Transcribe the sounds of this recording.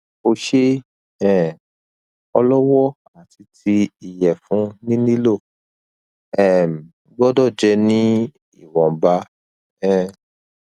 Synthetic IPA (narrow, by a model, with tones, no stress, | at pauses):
o˧ʃe˦ | ɛ̃˦˨ | ɔ˧lɔ˦wɔ˦ | a˨ti˧ti˧i˨jɛ˨fũ˨˦nĩ˦nĩ˦lo˦˨ | ɛ˦˨m̩˨ | ɡ͡bɔ˦dɔ˦˨d͡ʒɛ˧nĩ˦ | ḭ˦˨wɔ̃˨ba˧˦ | ɛ̃˦˨